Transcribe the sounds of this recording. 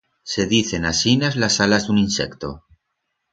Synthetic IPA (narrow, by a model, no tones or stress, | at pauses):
se̞ðiθe̞nasinazlasalazðuninsekt̪o̰